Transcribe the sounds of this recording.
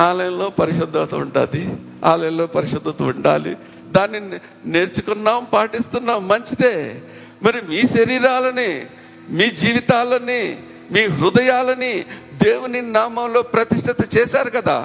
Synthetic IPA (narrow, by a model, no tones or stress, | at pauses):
aːlɐjɐnlo̞ːpɐɾiʃɐd̪ʱːɐt̪ɐuɳɖa̰ːd̪i | a̰ːlɐjɐnlo̞ːpɐɾiʃɐd̪ʱːɐt̪ɐuɳɖa̰ːlḭ | d̪aːnːi | ne̞ːɾt͡ʃukunːaːmpaːʈist̪unːaːmːɐɲt͡ʃid̪eː | mɐɾimiːʃɐɾiːɾaːlɐni | miːd͡ʒiːʋit̪aːlɐni | miːɾud̪ɐjaːlɐnid̪e̞ːwuninaːmɐmlo̞ːpɾɐt̪iʂʈʰɐt̪ɐt͡ʃɛːʃaːɾukɐd̪a̰ː